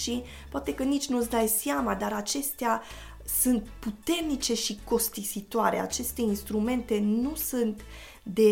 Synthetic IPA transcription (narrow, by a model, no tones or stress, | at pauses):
ʃi | poat̪e̞kənit͡ʃʲnusd̪ajsjamad̪aɾat͡ʃe̞st̪ea | sɨnt̪put̪e̞rnit͡ʃe̞ʃiko̞st̪isit̪oaɾe̞̰a̰t͡ʃe̞st̪e̞inst̪ɾume̞nt̪e̞nusɨnt̪ | d̪e̞